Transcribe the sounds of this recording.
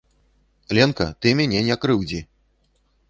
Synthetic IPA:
lʲɛnkɐt̪ɨmʲanʲɛnʲakɾɨwd͡zʲi

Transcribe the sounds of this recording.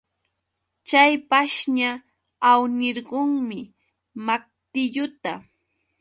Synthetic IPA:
t͡ʃajpaʃɲa | awnɪɾɢoŋmɪ | mak̚t̪ɪʎʊt̪a

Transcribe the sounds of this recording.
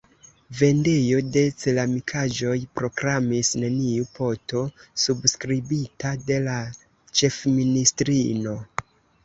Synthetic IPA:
ve̞nde̞jo̞de̞t͡selamikʰaʒo̞jpɾo̞kɾamisneniupo̞to̞subskɾibitade̞la | t͡ʃe̞fministɾino̞

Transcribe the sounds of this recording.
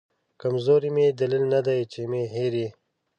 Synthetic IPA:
kɐmzoːɾimed̪ɐlilnɐd̪ajt͡ʃemeɦeɾi

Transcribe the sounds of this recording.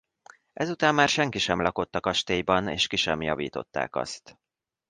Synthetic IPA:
ʔɛzut̪aːmːaːrʃɛŋkiʃɛmlɒko̞t̪ːɒkɒʃt̪eːjbɒnḛːʃkiʃɛmjɒvḭːt̪o̞̰t̪ːa̰ːkɒ̰st̪

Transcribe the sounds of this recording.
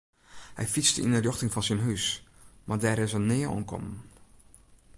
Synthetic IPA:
hɛ̰jfit͡sdəḭnərjɔxtɪŋfɑnsənɦysmʔaːrdɛːɾɪsənːɪːəɔ̰nkʰɔ̰mən

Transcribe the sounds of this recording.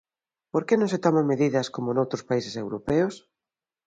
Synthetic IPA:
poɾkenõŋset̪omameðiðɐskomonowt̪ɾʊspaisesewɾopeʊs

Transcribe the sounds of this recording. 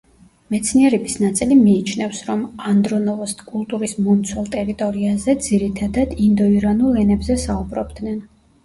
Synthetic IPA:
mɛt̪sʰniɛɾɛbisnat̪sʼilimiːt͡ʃʰnɛfsɾɔmand̪ɾɔnɔvɔst̪ʰkʼulˠt̪ʼuɾismɔmt̪sʰwɛlˠt̪ʼɛɾit̪ʼɔɾiazɛd̪ziɾit̪ʰad̪ad̪ind̪ɔiɾanulˠɛnɛbzɛsaubɾɔbd̪nɛn

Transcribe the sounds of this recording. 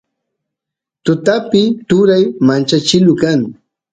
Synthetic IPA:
t̪ʊt̪apɪt̪ʊɾajmant͡ʃat͡ʃɪlʊkaŋ

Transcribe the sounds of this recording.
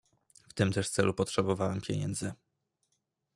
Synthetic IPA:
ft̪ɘmt̪ɛʂt̪sɛlupɔtʂɛbɔvawɛmpʲjḛɲɛ̰nd̪zɘ

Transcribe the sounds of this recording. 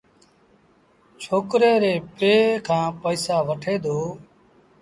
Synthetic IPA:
t͡ʃʰoːkɾeːɾeːpeːkʰãːpəiːsaːʋəʈʰeːd̪oː

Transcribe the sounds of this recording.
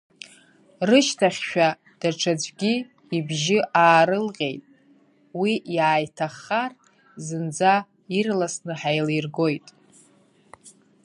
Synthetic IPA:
rɨʃtʰaχʲʃᶣa | d̥aʈ͡ʂʰad͡ʒʷɡʲi | ibʒɪʔaːɾɨlʁʲe̞̰jtʼ | wijaːjtʰaχːar | zɨnd͡za | irlasnɨħajlejrɡo̞jtʼ

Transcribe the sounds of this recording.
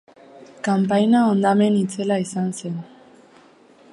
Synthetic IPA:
kampajnaond̪ame̞nit͡se̞laisanse̞n

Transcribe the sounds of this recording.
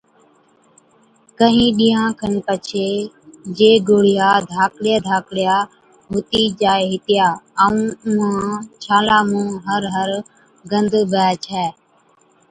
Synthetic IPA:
kəɦĩːɗiːãːkʰənpət͡ʃʰeː | d͡ʒeːɡoːɽɪjaːd̪ʱaːkɽɪjaːd̪ʱaːkɽɪjaː | ɦʊt̪iːd͡ʒaːeːɦɪt̪ɪjaːəũːmãːt͡ʃʰaːlaːmũːɦəɾɦəɾ | ɡənd̪bʱɛːt͡ʃʰɛː

